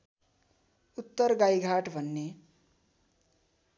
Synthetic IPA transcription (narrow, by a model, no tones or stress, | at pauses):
ut̪ːʌrɡajɡʱaʈbʱʌnːe